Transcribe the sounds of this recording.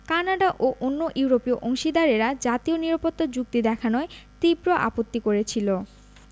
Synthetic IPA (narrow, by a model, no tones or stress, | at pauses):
kanaɖaʔoʔonːoʔuuɾopioʔoŋʃid̪aɾeɾad͡ʑat̪ioniɾapot̪ːad͡ʑuk̚t̪id̪ɛkʰanɔet̪ibɾoʔa̰pot̪ːikoɾet͡ɕʰilo